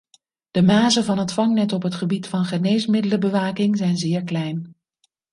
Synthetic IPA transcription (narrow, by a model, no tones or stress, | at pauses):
d̥əmaːzənvɑnətfɑŋnɛtɔpɦətχəbitfɑnχənejsmɪdələbəʋaːkɪŋzɛjnzɪːɹklɛjn